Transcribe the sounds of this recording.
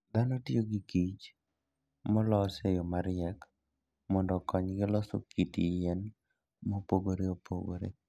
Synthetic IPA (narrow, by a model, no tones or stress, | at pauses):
d̪anɔtioɡikit͡ʃ | mɔlɔsejomaɾɪɛk | mɔndɔkɔɲɡɪlɔso̰kʰitijɛn | mopoɡoɾeopo̰ɡo̰ɾḛ